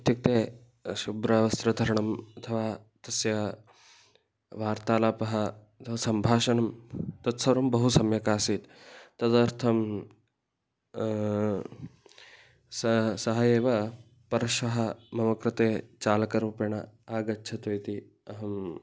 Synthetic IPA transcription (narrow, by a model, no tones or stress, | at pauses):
t̪jɐk̚t̪eː | ʃubɾɐʋɐst̪ɾɐd̪ʱɐɾɐɳɐmɐt̪ʰɐʋaːt̪ɐsjɐ | ʋaːɾt̪aːlaːpɐɦɐɐt̪ʰɐʋɐsɐmbʱaːʃɐnɐmt̪ɐt̪sɐɾɐmbɐɦusɐmjɐkaːsiːt̪t̪ɐd̪ɐɾt̪ʰɐm | sɐsɐɦɐjeːʋɐ | pɐɾɐʃʋɐɦɐmɐmɐkɾɪt̪eːt͡ʃaːlɐkɐɾupjɐɳɐ̰aːɡɐtːʃʰɐt̪ʋɐjt̪i | ɐɦɐm